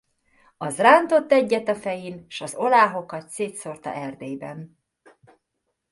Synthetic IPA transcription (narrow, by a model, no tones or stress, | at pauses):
ɒzraːnt̪o̞t̪ːɛɟːɛt̪ɒfɛjinʃɒzo̞laːɦo̞kɒt̪seːt̪so̞rt̪ɒ̰ʔɛrd̪eːjbɛ̰n